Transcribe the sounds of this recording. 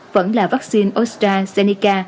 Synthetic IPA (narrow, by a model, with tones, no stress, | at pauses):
və̰˧˥nlaː˨˩va˦˥k̚si˧nʔo˦˥straː˧se˧ni˧kaː˧